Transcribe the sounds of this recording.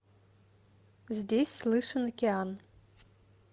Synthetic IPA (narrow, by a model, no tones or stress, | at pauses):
zʲdʲesʲslˠɨʂənɐkʲɪan